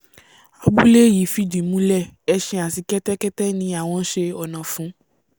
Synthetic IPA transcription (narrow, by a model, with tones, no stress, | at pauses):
a˨ɡ͡bu˦le˦˨ji˨˦fi˦dĩ˨mũ˦lɛ˦˨ɛ˧ʃɛ̃˧a˨si˨kɛ˦tɛ˦kɛ˦tɛ˦nĩ˧a˨w̃ɔ̃˧˦ʃe˧ɔ˨nã˨fũ˨˦